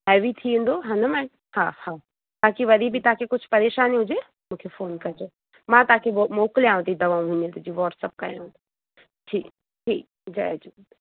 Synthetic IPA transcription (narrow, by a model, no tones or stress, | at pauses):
ɦɛːʋit̪ʰiũːn̆d̪oɦɐ̃nəmãː | hãːhaː | baːkiʋɐd̪ʱibʱit̪ɐaakʰekʊt͡ʃʰpɐɾeːʃaːniɦʊd͡ʑe | mũːkʰefoːnkɐɾd͡ʒo | mãt̪aːkʰeboːmoːklijãːũt̪id̪ɐʋaːũɦʊ̃ɲẽt̪ud͡ʒiʋɔːʈsəp̚ka̰ɾɦũːd̪o | ʈʰiːk | ʈʰiːk̚ | d͡ʒa̰d͡ʒu